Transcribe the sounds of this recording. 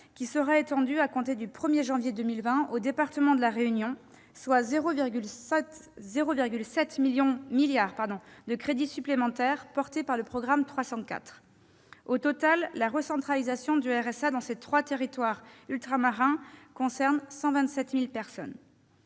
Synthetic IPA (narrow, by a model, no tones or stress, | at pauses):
kʲisəʁɛet̪ɑ̃d̪yakɔ̃t̪ed̪ypχəmjeʒɑ̃vjed̪ømilvɛ̃od̪epaʁt̪əmɑ̃d̪əlaʁeynjɔ̃ | swazʁovɡl | zeʁoviʁɡʲylsɛt̪miljɔ̃miljaʁpaʁd̪ɔ̃d̪əkχed̪isyplemɑ̃t̪ɛʁpɔʁt̪epaʁləpχɔɡʁamt̪χwasɑ̃ka̰t̪χ | ot̪ɔt̪alːaʁəsɑ̃t̪χalizasjɔ̃d̪yɛʁɛsad̪ɑ̃set̪χwat̪eʁit̪waʁylt̪χamaʁɛ̃kɔ̃sɛʁnsɑ̃vɛ̃nt̪sɛt̪milpɛʁsɔ̰n